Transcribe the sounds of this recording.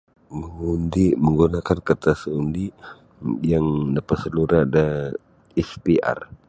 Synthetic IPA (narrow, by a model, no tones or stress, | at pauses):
məŋundiməŋɡunakankərt̪asəundi | jaŋdapat̪səluɾada | ɛspiʔa̰r